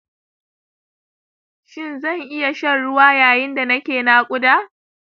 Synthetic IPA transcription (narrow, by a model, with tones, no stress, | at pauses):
ʃɪ˦˨nzɐ˦˨ŋʔɪ˦ja˨ʃɐ˦nɽʊ˦waː˦jaː˨jɪ˦nda˨nɐ˦kʲeː˨naː˦kʷʼʊ˦daː˦